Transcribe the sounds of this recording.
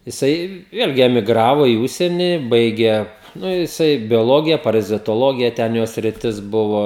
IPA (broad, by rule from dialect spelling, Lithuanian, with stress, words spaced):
jɪˈsɐɪ ˈʋʲeːlʲɡʲɪ ɛmʲɪˈɡrɑːʋoː iː ˈʊʃʲsʲiɛnʲɪ ˈbɐɪɡʲeː ˈnʊ jɪˈsɐɪ bʲoːˈlˠoːɡʲɪjɛ pɐrɐzʲɪtoːˈlˠoːɡʲɪjɛ ˈtʲɛn ˈjoː sʲrʲɪˈtʲɪs ˈbʊʋoː